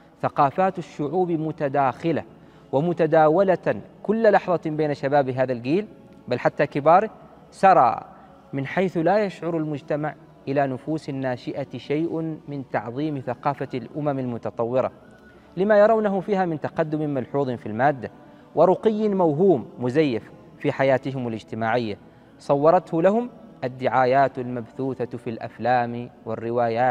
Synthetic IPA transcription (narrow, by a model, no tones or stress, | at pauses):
θaqɑːfaːt̪aʃːʊʕuːbmʊt̪ad̪aːxɪla̰ | wɪmʊt̪ad̪aːwalakʊlːalɑħðˤɑbeːnaʃabaːbɪɦaːðalɡiːl | balħat̪ːaːkɪbɑːɾˤɪ | sɑɾˤɑ̰ː | mɪnħajθlaːjaʃʕʊɾˤalmʊd͡ʒt̪amaʕ | ʔɪlanʊfuːsanːaːʃɪʔaʃajʔmɪnt̪ɑʕðˤiːmθaqɑːfalʔʊmamalmʊt̪ɑt̪ˤɑwːɪɾɑ̰ | lɪmajɑɾˤɑwnaɦʊfiːhaːmɪnt̪ɑqɑd̪ːʊmɪmalħuːðˤɨnfilmaːd̪ːa | wɪɾˤʊqɪjːɪnmawɦuːmːʊzajːafː | iħajaːt̪ɪɦɪmalɪd͡ʒt̪ɪmaːʕɪjːa | sˤɑwːɑɾˤɑt̪hʊlaɦʊmʔad̪ːɪʕaːjaːt̪almabθuːθafilʔa̰flaːmwɪrːɪwaːjaː